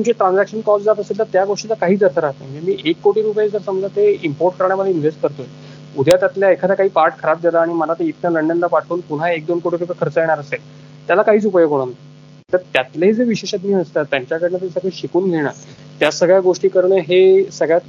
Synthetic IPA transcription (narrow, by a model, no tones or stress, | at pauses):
umt͡ɕeʈɾãnd͡zækʂənkɔd͡zd͡zat̪əselt̪əɾt̪jaɡoʂʈilakaɦiːt͡səɾt̪ʰəɾaɦt̪ad͡ʑemiːʔekːoʈiːɾup̬jed͡zəɾsəmd͡zʱat̪eimpoɾʈ̚kəɾɳ̃jaməd̪ʱeinʋesʈ̚kəɾt̪oj | ud̪ʱjat̪jat̪ljaekʰad̪akaɦiːpaɾʈ̚kʰəɾap̚d͡zəlaaɽ̃iməlat̪eit̪naləɳɖənlapaʈʰuːnpun̤aek̚d̪onkoʈiɾupjekʰəɾt͡səjeɽ̃aɾəsel | t̪jalakaɦiːt͡supəjəkoɽ̃ant̪ | t̪əɾt̪jat̪leed͡zeʋiɕeɕat̪niːəst̪at̪ːjaɲt͡ɕjakəɾnet̪əisəɡɭeɕikuːnɡʱeɽ̃a̰ | t̪jasəɡɭjaɡoʂʈiːkəɾɳəɦesəɡɭjat̪